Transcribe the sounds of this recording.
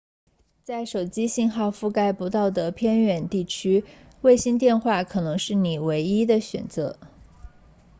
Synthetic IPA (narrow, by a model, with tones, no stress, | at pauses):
t͡sa˥˩ɪʂo˨˩ʊt͡ɕi˥ɕi˥˧nxɑ˥˧ʊfu˥˧ka˥ɪpu˧˥t̪ɑ˥˩ʊd̪ə˩pʰjɛ˥˧nɥɛ˨˩nt̪i˥˩t͡ɕʰy˥ | we˥˩ɪɕi˥nt̪jɛ˥˧nxwa˥˩kʰɤ˨˩nɤ˧˥ŋʂɻ̩˥˩ni˨˩we˧˥ɪi˥d̪ə˨ɕɥɛ̰˨˩nt͡sɤ̰˧˥